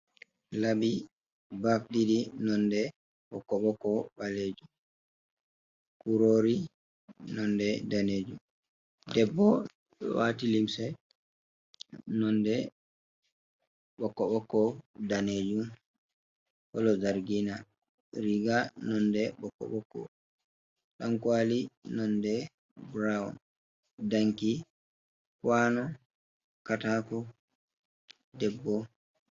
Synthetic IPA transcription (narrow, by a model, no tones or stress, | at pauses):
labi | bafdidinɔndɛ | ɓɔkːɔɓɔkɔbaled͡ʒum | kuɾoːɾi | nɔndɛdaneːd͡ʒum | dɛbːɔ̰ | watilimsɛ | nɔndɛ | ɓɔkːɔɓɔkːɔdaneːd͡ʒum | kɔlɔd͡ʒaɾɡina | ɾiɡanɔndɛɓɔkːɔ̰ɓɔkːɔ̰ | ɗaŋkwalinɔndɛ | bɾaɔn | daŋki | kwanɔ | kataːkɔ | dɛbːɔ